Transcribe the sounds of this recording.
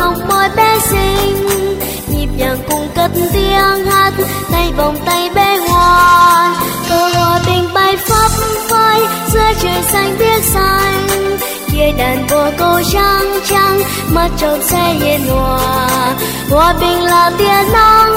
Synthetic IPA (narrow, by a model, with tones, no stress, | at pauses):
hə˨˧˩wŋ͡mɓɔ˧˦jɓɛ˧˦si˧ŋ̟ | ɲi˨˩p̚ɲaː˨˩ŋkʊ˧ŋ͡mkə˧˦˥t̚n̩t̪i˧əŋha˧˦t̚ | t̪a˧jvɔ˨˩wŋ͡mt̪a˧jɓɛ˧˥ŋwaː˧˨˩n | ko˧˦hwaː˨˧˩ɓï˨˩ŋ̟ɓa˧˩jfə˦˥p̚vəː˧j | zɨ˧ət͡ɕəː˨˩jsa˧jŋ̟ɓi˦˥ət̚sa˧ŋ̟ | t͡ɕi˧əjɗaː˨˩nvɔ˨˩kə˧wt͡ɕa˧ŋt͡ɕa˧ŋ | ma˨˩t̚t͡ɕə˨˩n̚sɛ˧˥ɲi˨˧˩nŋwaː˨˩˨ | hwaː˨˩ɓï˨˩ŋ̟laː˨˩t̪i˧˩ənɔ˧n